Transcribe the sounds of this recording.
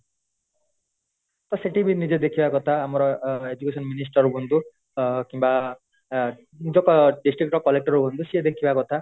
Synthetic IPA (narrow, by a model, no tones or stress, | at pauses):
t̪ɔseʈibinid͡ʒed̪ekʰibakɔt̪ʰaːmɔɾɔed͡ʒukesɔnminisʈɔɾubʱunt̪u | kimba | nid͡ʒɔkɔɖisʈɾik̚ʈɔkɔlek̚ʈɔɾubʱund̪usied̪ekʰibakɔt̪ʰa